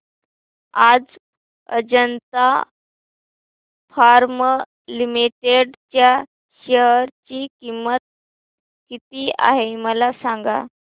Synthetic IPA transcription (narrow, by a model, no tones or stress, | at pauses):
ad͡z | ə̰d͡ʑənt̪a | faɾmə | limiʈeɖt͡ɕja | ɕəɦəɾt͡ɕiːkimːət̪̚ | kit̪iːa̰ɦeməlasaŋɡa̰